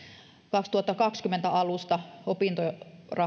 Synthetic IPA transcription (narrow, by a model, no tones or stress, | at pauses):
kɑkst̪uhɑt̪ːɑkɑkskymːent̪æɑlust̪ɑopint̪orɑ